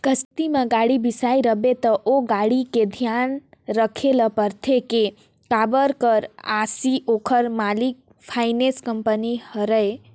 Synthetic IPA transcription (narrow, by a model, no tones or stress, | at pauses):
kəst̪imãɡaɽibisaiɾəbet̪əʔoɡaɽiked̪ʱijanɾəkʰeləpəɾt̪ʰeke | kabəɾkəɾa̰siʔokʰəɾmalik̚ | pʰaɪneskəmpənihəɾəe